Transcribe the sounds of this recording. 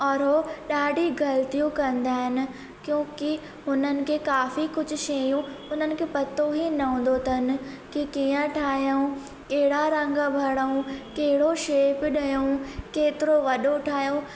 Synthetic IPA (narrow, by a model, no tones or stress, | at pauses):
ɔːɾɦoɗaːɖʱiɡɐlt̪ijũkɐ̃nd̪aːɦɪnɪ̆ | kjõːki | ɦʊnənɪ̆kʰekaːfikʊd͡ʑʱʊ̆ʃɐjũ | ʊnənɪ̆kʰeːpɐt̪oɦinɐɦõːn̆d̪ot̪ʰɐnɪ̆ | kikijə̃ʈʰaːɦijəũ | kɐɦɪɽaɾɐ̃ŋɡabʱɐɽəũkɐɦɪɽoʃeːpɗɐjoũkeːt̪ɪɾoʋɐɗoʈʰaːɦijõ